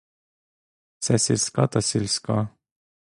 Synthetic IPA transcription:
sæsilskɑt̪ɑsilskɑ

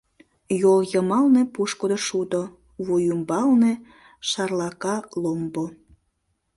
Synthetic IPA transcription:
joljəmɑlnepuʃkod̪oʃud̪o | βujumbɑlnĕ | ʃɑrlɑkɑlombo

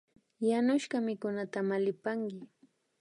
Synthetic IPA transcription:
janʊʃɢɑmɪkʊnat̪amalɪpaŋkɪ

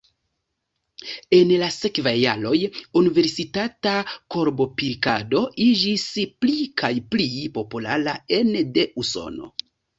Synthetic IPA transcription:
e̞nlasekvajːalo̞junive̞ɾsitatako̞ɾbo̞piɾkado̞ʔid͡ʒisplikʰajplipo̞pulaɾaende̞ʔuso̰no̞̰

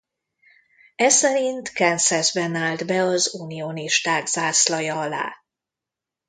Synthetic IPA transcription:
ɛsɛɾint̪kɛnsɛzbɛnaːld̪bɛɒzunijoniʃt̪aːɡzaːslɒjɒɒla̰ː

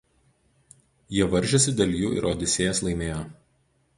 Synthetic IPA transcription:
jiɛʋɐɾʲˑʒʲɛsʲɪd̪ʲɛlʲjṵːɪ̰ɾʔoːd̪ʲɪsʲeːjɛslˠɐɪmʲeːjoː

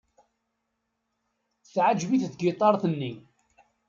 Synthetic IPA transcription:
θʕad͡ʒviθθɡit̪ˤɑɾˤθənːi

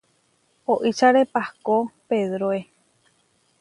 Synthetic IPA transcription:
oʔit͡ʃaɾepahkopeðɾoe

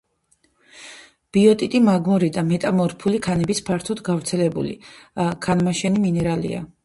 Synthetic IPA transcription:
b̥iɔt̪ʼit̪ʼimaɡmɔɾid̪amɛt̪ʼamɔɾpʰulikʰanɛbispʰaɾt̪ʰɔd̪ɡavɾt̪sʰɛlɛbṵlḭakʰanmaʃɛniminɛɾalḭa̰

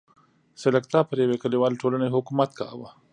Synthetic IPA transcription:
selakt̪apəɾjawekəliwɑːlʈolaneɦʊkumat̪̚ka̰wa

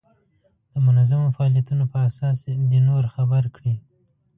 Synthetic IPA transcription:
d̪̥əmʊnazamofaɑːlijat̪unopəasɑsd̪enoɾxabaɾkɽi

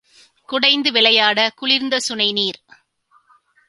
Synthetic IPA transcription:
kʊɽɐɪnd̪ɯʋɪlɐjaːɽɐkʊɭɪɾnd̪ɐsʊnɐɪniːɾ

